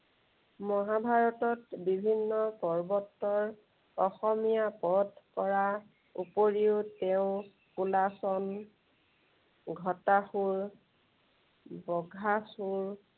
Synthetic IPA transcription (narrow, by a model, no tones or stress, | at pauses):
mɔɦabʱaɹɔtɔtbibʱinːɔpɔɹbɔtːɔɹ | ɔxɔmijapɔdkɔɹa | upoɹiʊtɛʊ̃ | kulasɔn | ɡʱɔtaxuɹ | bɔɡʱasuɹ